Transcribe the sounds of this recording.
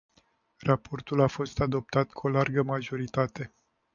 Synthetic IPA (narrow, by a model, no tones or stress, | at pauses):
rapo̞rt̪ulafo̞st̪ad̪o̞p̚t̪at̪kʰuo̞larɡəmaʒo̞ɾit̪at̪e̞